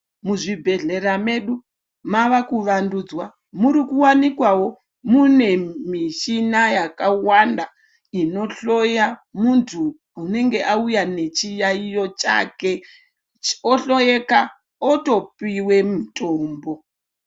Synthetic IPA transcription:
muʐibʱe̞ɮe̞ɾame̞ɗu | maʋakuʋanduːd͡zwa | muɾikuwanikwawo̞ | mune̞miʃinajakawanda | ino̞ɬo̞jamuntʰu | une̞ŋɡe̞ʔaujane̞t͡ʃijaijo̞t͡ʃa̰ke̞ | oɬojeka | oto̞piwe̞mutʰʼoːmbo̞

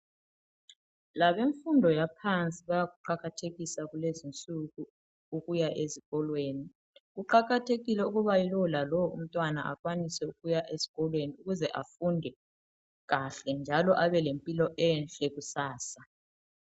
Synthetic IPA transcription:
laβeɱfundʱɔjapʰant͡sʼiβajaɣuǃaɣatʰeɣisaɣulezint͡sʼuɣu | uɣujaʔeziɣɔlweːni | ɣuǃaɣatʰeɣilɛuɣuβailɔlalɔwum̩tʼwanaʔaɣwanisɛuɣujaʔez̥i̥ɣɔlweniuɣuzɛʔafundʱɛ | ɣaɬɛnd͡ʒʱalɔʔaβɛlempʼilɔʔɛnt͡ɬʼɛɣusaːsa

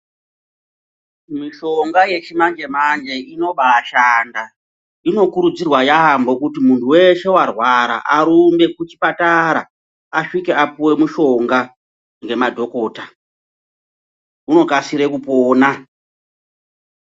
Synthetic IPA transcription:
miʃo̞ŋɡaje̞t͡ʃimand͡ʒe̞mand͡ʒe̞ino̞ɓaʃanda | ino̞kuɾud͡zirwajaɦambo̞kutimuntʰuwe̞ʃe̞warwaɾa̰ʔaɾumbe̞kut͡ʃipataɾa | aʂikeapuwe̞muʃo̞ŋɡa | ŋɡe̞madʱo̞ko̞ːta | uno̞kasiɾe̞kupoːna

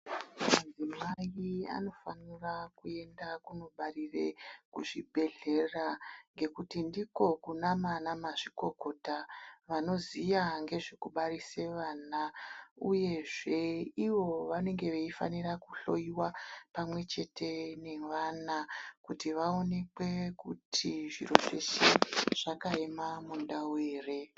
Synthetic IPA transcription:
mad͡zimaia̰no̞fanirakue̞ndakuno̞ɓarirekuʐibʱe̞ɮe̞raŋɡe̞kutindiko̞kunamanamaʐiko̞ko̞taʋano̞zijaŋɡe̞ʐekuɓaɾise̞ʋaːnauje̞ʐe̞iʋo̞ʋane̞ŋɡe̞ʋeifa̰nirakuɬo̞̰iwapamwe̞t͡ʃe̞tʰe̞ne̞ʋanakutiʋao̞ne̞kwe̞kutʰiʐiro̞ʐe̞̰ʃiʐ̥akaemamundaweːre̞

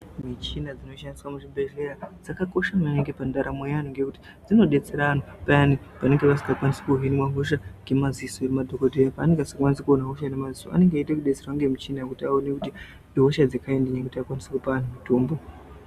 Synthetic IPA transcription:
mit͡ʃinad͡zino̞ʃandiswamuʐibe̞ʐe̞ɾad͡zakako̞ʃamaneŋɡe̞pandaɾamwejan̤uŋɡe̞kuti̥ | d͡zino̞ɗe̞t͡se̞ɾaanopaanipane̞ŋɡeʋas̬i̥ŋɡakwanise̥kuɦinwaɦoʃaŋɡe̞maziso̞iɾemadʱokodʱejapaːne̞ŋɡeasḁkwanisekuonaɦoʃanemazisoa̰ne̞ŋɡaitekuɗe̞t͡serwaŋɡe̞mit͡ʃinakutiaonekuti | ɦoʃad͡zekaendeɲekutiakwanisekupaan̤umitoːmbo

